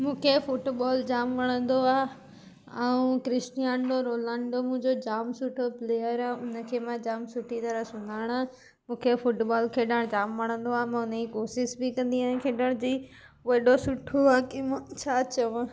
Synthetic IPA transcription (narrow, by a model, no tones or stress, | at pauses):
mũːkʰefʊʈɓaːld͡ʑaːmʋɐɽ̃ə̃nd̪oaːe | ɛũkɾɪsʈijãːɳɖoɾoːlãːɳɖomũɪ̃ɲd͡ʑod͡ʑaːmsʊʈʰopleːjəɾaːʊnə̆kʰeːmãd͡ʑaːmsʊʈʰit̪ɐɾəsʊnaːɪɽ̃a | mũːkʰefʊʈbaːlkʰeːɗəɽ̃d͡ʑaːmʋɐɽ̃ə̃nd̪oaːɦemãʊnəikoːʃɪsbɪkɐ̃nd̪iaːẽkʰeːɗəɽ̃d͡ʑiː | ʋɐɗosʊʈʰoaːkimt͡ɕʰaːt͡ɕɐʋ̃